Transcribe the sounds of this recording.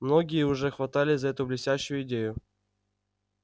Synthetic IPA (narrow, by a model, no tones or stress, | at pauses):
mno̞ɡʲɪjəʊʐɛxvɐt̪alʲɪzɐɛt̪ʊblʲɪsʲæɕːʊjʊɪdʲejʊ